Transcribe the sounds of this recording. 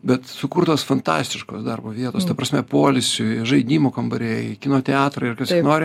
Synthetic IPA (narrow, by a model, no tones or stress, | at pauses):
bʲɛt̪sʊkuːrt̪oːsfɐnt̪ɑ̰ːsʲt̪ʲɪʃko̰ːsd̪ɐrboːʋʲiɛt̪oːst̪ɐpɾɐsʲmʲɛpoːlʲɪsʲʊʒɐɪd̪ʲiːmoːkɐmbɐɾʲeːɪkʲɪnoːt̪ʲɛɑːt̪ɾɐɪɪrkɐsʲkʲɪnoːɾʲɪ